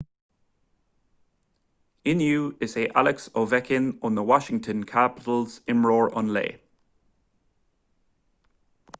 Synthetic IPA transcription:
ɪ̃njʉːɪzeːʔalɪksoːvɛkʰɪ̃nə̃nðəwɒʃɪ̃ŋtʰə̃nkʰapɪ̥təlˠz̥ɪ̃mɹɔːɹʔə̰̃nlḛː

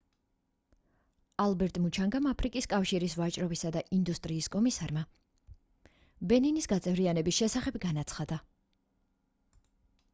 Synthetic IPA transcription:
alˠbɛɾt̪ʼmut͡ʃʰaŋɡamapʰɾikʼiskʼafʃiɾisvat͡ʃʼɾɔbisad̪aʔind̪ust̪ʼɾiːskʼɔmisaɾma | bɛninisɡat̪sʼɛvɾianɛbisʃɛsaχɛbɡanat̪sʰχad̪a

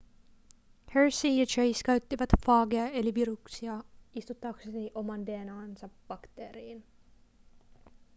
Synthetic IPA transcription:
heɹsijɑt͡ʃejskæɥt̪ːiʋɑt̪fɑːɡeɑeliʋiɾuksiɑist̪ut̪ːɑksesiʔo̞mɑnd̪eːnɑːnsɑb̥ɑkt̪eːɾiːn

